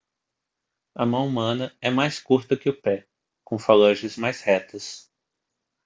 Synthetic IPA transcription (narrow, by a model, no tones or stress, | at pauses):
ɐmɐ̃w̃umɐ̃nɐɛmajskuɾt̪ɐkɪʊpɛ | kõfalɐʒɪzmajshɛt̪ɐs